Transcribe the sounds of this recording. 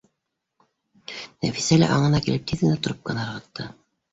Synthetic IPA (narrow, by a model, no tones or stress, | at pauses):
næfi̥sælæ̰ʔɑɴɤ̆nɑkilɘp̚t̪ʰiðɡɘ̆næt̪ŏɾop̚kɤ̆næɤɾʁɤ̆t̪ʰːɤ